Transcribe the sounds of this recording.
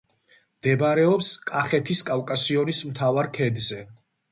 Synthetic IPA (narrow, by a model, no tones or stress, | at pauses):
md̪ɛbaɾɛɔpskʼaχɛt̪ʰiskʼalkʼasiɔnismt̪ʰavaɾkʰɛd̪zɛ